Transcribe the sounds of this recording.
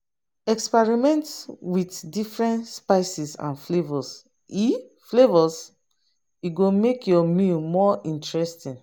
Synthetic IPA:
ɛkspɛɹimɛ̃ntwitdifɹɛ̃ntspaɪsisã̰nflevɔs | i | flevɔs | iɡomekjɔmilmɔĩntɹɛstĩn

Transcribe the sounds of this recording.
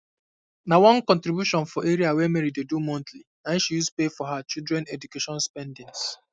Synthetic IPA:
nawɔ̃nkɔ̃ntɾibjuʃɔ̃nfɔʔeɾiawɛmɛɾidedumɔ̃ntliãnʃijuspefɔɦat͡ʃildɹɛ̃nedukeʃɔ̃nspɛ̃ndɪ̃ŋs

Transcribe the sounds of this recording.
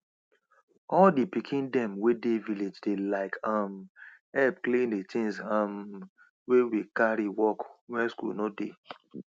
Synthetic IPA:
ɔldipikʰĩndɛ̃mwedeviled͡ʒdelaɪkʰam | ɛp̚klẽndet͡ʃĩnsam | wewikaɾiwɔkwɛ̃nskṵlnode

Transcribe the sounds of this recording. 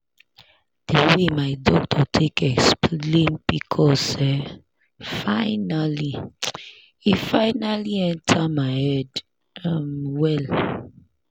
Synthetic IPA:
d̥ewemaɪdɔk̚tʰɔtʰekɛksplẽnb̥ikʰɔsɛ | faɪnali | ifaɪnaliɛ̃ntʰamaɪhɛd | ʌmwɛl

